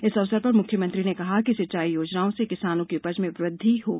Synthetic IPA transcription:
ɪsɐʋsəɾpɐɾmʊkʰjəmɐ̃nt̪ɾinekɐɦakisɐt͡ʃaːijoːd͡ʒnaːõsekɪsaːnõkiʊpəd͡ʒmẽʋɾɪd̪ʱːiɦoːɡ

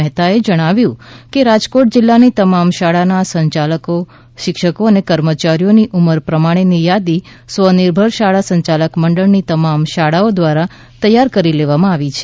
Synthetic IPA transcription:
əɦt̪aed͡ʒəɽ̃aʋjũkeɾad͡ʒkoʈ̚d͡ʒɪlːanit̪əmamʃaɽanasə̃ɲt͡ʃaləko | ʃɪkʃəkoənekəɾmət͡ʃaɾijoniʔuməɾpɾəmaɽ̃enijad̪i | sʋənɪɾbʱəɾʃaɭasə̃ɲt͡ʃaləkməɳɖəɭnit̪əmamʃaɽaod̪ʋaɾa | t̪əjːaɾkəɾileʋamãaʋit͡ʃʰe

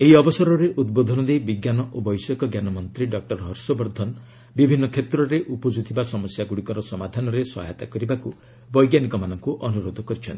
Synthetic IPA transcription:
eɦiɔbɔsɔɾɔɾeʔud̪̚bod̪ʱɔnɔd̪ejbiɡjanɔʔobɔjsɔkɔɡjanɔmɔnt̪ɾiɖɔk̚ʈɔɾɦɔɾsɔbɔɾd̪ʱɔn | bibʱinːɔkʰet̪ɾɔɾeʔupɔd͡ʒut̪ʰibasɔmɔsjaɡuɽikɔɾɔsɔmad̪ʱanɔɾesɔ̰ɦaet̪a̰kɔɾibaku | bɔjɡjanikɔmanɔŋkuʔɔnuɾod̪ʱɔkɔɾit͡ʃʰɔnt̪i

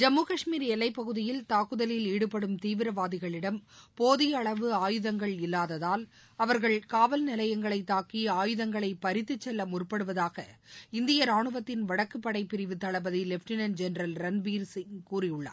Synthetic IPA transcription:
d͡ʒɐmːuːkɐʂmiːɾɛlːɐɪpːɐɣɯðɪjɪlt̪aːkɯðɐlɪliːɽɯpːɐɽɯmt̪iːʋɪɾɐʋaːðɪɣɐɭɪɽɐmpoːðɪjɐɭɐʋɯaːjɯðɐŋɡɐɭɪlːaːðɐðaːl | ɐʋɐɾɣɐɭkaːʋɐlnɪlɐjɐŋɡɐɭɐɪt̪ːaːkiaːjɯðɐŋɡɐɭɐɪpɐɾɪt̪ːɯt͡ʃːɛlːɐmʊrpɐɽɯʋɐðaːɣɐɪnd̪ɪjɐɾaːɳɯʋɐt̪ːɪnʋɐɽɐkːɯpːɐɽɐɪpːɪɾɪʋɯt̪ːɐɭɐbɐðilɛfʈɪnɐnd͡ʒɛnɾɐlɾɐnbiːɾsɪŋkuːrɪjʊɭːa̰ː

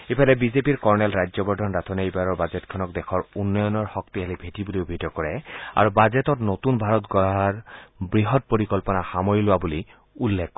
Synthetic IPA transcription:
epʰalɛbizepiɹkɔɹnɛlɹajzɔbɔɹdʱɔnɹatʰɔneejbaɹɔɹbazɛtkʰɔnɔk̚dɛxʰɔɹunːɔjɔnɔɹxɔk̚tiɦalibʱetibuliobʱidɔkɔɹɛa̰ɹubazetɔtnotunbʱaɹɔtɡɔaɹbɹiɦɔt̚poɹikɔlpɔnaxamɔjilʊwabuli | ulːekːɔ

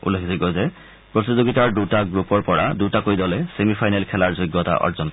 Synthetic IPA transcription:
ṵlekʰiziɡɔzɛ | pɹotizoɡitaɹdutaɡɹupɔɹpɔɹadutakojdɔlɛsemipʰajnɛlkʰɛlaɹzojɡːɔta̰ʔɔ̰ɹzɔn

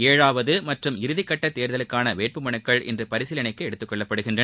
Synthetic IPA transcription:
eːɻaːʋɐðɯmɐʈrɯmɪɾɯðɪkːɐʈːɐt̪ːeːɾðɐlɯkːaːnɐʋeːʈ̚pɯmɐɳɯkːɐɭɛ̰ndrɯpɐɾɪsɪlɐnɐɪkːɯɛɽɯt̪ːɯkːɔɭːɐpːɐɽɯɣɪndrɐ

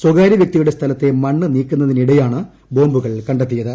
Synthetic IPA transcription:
swɐɡaːɾjɐʋjɐk̚t̪ijuɽe̞st̪ʰɐlɐt̪ːe̞mɐɳːɨniːkːunːɐðiniɽɐjaːɳɨ | bo̞ːmbuɣɐɭkɐɳɖet̪ːijɐðɨ

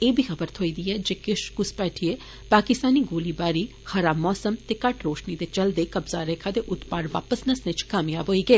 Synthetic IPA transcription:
eːbʱiːxʰəbəɾt̪ʰoːiːd̪iːɛːd͡ʒeːkɪʃkʊspɛːʈʰieː | paːkɪst̪aːniːɡoːliːbaːɾiː | xəɾaːmːɔːsəmt̪eːkəʈʰɾoːʃniːd̪eːt͡ʃəld̪eːkəbzaːɾeːkʰaːd̪eːʔʊt̪paːɾʋa̰ːpəsnəsnɪt͡ʃkaːmjaːbɦoːiːɡəeː

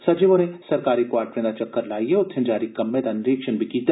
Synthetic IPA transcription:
sɐd͡ʒeʋonesɐɾkaːɾikwaːɾʈɾẽnd̪at͡ʃɐkːəɾlaːiɦeʊt̪ʰːɪ̃nd͡ʒaːɾikɐmːed̪anɪɾiːkʃənbʱikiːt̪a

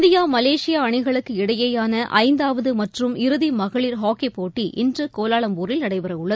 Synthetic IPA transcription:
d̪ɪjaːmɐleːʂɪjaːɐɳɪɣɐɭɯkːɯɪɽɐjɐjaːnɐʔɐ̰ɪnd̪aːʋɐðɯmɐʈrɯmɪɾɯðimɐɣɐɭiːɾɦaːkepoːʈːiʔɪndrɯkoːlaːɭɐmpuːɾɪlnɐɽɐɪpɐɾɐʊɭːɐð

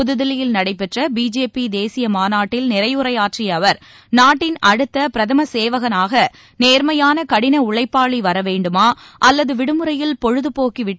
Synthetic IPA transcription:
ʊðɯðɐlɪjɪlnɐɽɐɪpːɛʈrɐbiːd͡ʒeːpid̪eːsɪjɐmaːnaːʈːɪlnɪɾɐɪjʊɾɐjaːʈriɐʋɐɾ | naːʈːɪnɐɽɯt̪ːɐpɪɾɐðɐmɐseːʋɐɣɐnaːɣɐ | neːɾmɐjaːnɐkɐɽɪnɐʊɭɐɪpːaːɭiʋɐɾɐʋeːɳɖɯmaːʔɐlːɐðɯʋɪɽɯmɯɾɐjɪlpɔɻɯðɯpoːkiʋɪʈː

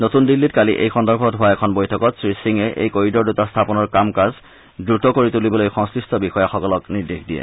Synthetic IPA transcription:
notundilːitkaliʔḛjxɔndɔɹbʰʱɔtɦʊaɛkʰɔnbojtʰɔkɔtsɹisiŋɛʔḛjkoɹidɔɹdutastʰapɔnɔɹkamkaz | dɹutɔkoɹitulibɔlojxɔ̃ŋsɹistʰɔbixɔjaxɔkɔlɔkniɹdexdijɛ̰

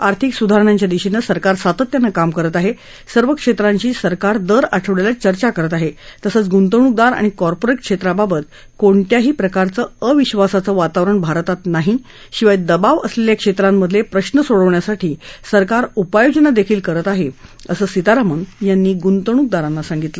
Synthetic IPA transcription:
aɾt̪ʰiksud̪ʱaɾəɳ̃aɲt͡ɕjad̪iɕinəsəɾkaɾsat̪ət̪janːakamkəɾət̪aɦe | səɾʋəkʂet̪ɾaɲt͡ɕiːsəɾkaɾd̪əɾaʈʰəʋɽelat͡ɕəɾt͡ɕakəɾət̪aɦet̪əsət͡sɡunt̪̬əɳ̃uk̚d̪aɾa̰ɽ̃ikɔɾpoɾeʈ̚kʂet̪ɾababət̪̚ | koɳʈ̪jaɦiːpɾəkaɾt͡səːəʋiɕʋasat͡səʋat̪aʋɾəɳbʱaɾt̪at̪naɦi | ɕiʋajd̪əbaʋəsleljakʂet̪ɾamːəd̪ʱlepɾəɕnəsoɽəʋɳjasaʈʰiːsəɾkaɾupajod͡ʑənad̪ekʰiːlkəɾət̪aɦeəsəːsit̪aɾamənjanːiːɡunt̪əɳ̃uk̚d̪aɾãnːasaŋɡit̪lə

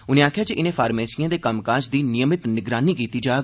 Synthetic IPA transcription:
ʊnẽːaːkʰjaːt͡ʃiʔɪnẽːpʰaːɾmeːsijãːd̪eːkəmkaːsd̪iːnɪjəmɪt̪nɪɡɾaːniːkiːt̪iːd͡ʒaː

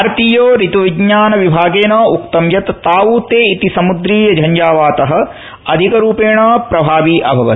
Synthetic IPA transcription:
aɾt̪iːjoːɾit̪uʋiɡɲaːnɐʋibʱaːɡeːnɐːukt̪ɐmjɐt̪ːaːuːt̪eːit̪isɐmud̪ɾiːjɐd͡ʒʱɐɲd͡ʒaːʋaːt̪ɐɦɐ̆ | ɐd̪ʱikɐɾuːpeːɳɐːpɾɐbʱaːʋiːʔɐ̰bʱɐʋɐ̰i

